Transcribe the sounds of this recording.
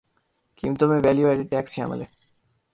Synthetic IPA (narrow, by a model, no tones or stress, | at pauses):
kimt̪omeʋɛljuaʈeɖ̚ʈɛksʃa̰mə̰le